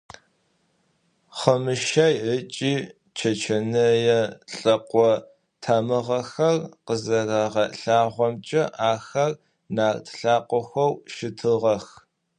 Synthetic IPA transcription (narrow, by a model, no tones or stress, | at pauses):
χəmɨʃajət͡ʃʼiː | t͡ʃʰɐt͡ʃʰɐnɨjɛɬʼɐqʷɔ | tʰaːmɨʁɐxɐrqəzɐraʁɐɬaːʁʷɔmt͡ʃʼɐʔaːxɐr | naːrtʰɬaːqʷʼɔxʷɐwʃɪtʰɨʁɐx